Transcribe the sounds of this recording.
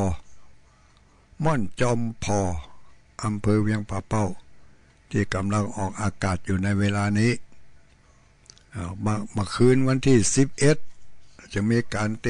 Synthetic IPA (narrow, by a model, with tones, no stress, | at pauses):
mɔ˧˥˨nt͡ɕɔː˧mpʰɔː˧˩ʔa˨˧mpʰɤː˧wi˧˥əŋpʰaː˧˩pa˧˩˨w | t̪ʰiː˧˩ka˨˦mla˧ŋʔɔː˨˩k̚ʔaː˧kaː˨˩t̪̚juː˨˩na˧˥jweː˧laː˧niː˦˥˨ | a˧˩ma˧˩maː˧˩kʰɯː˧˥˨nwa˧nt̪ʰiː˥˩si˨˦p̚ʔe˧˥t̪̚t͡ɕa˧˩miː˧˥kaː˨˦nt̪e˧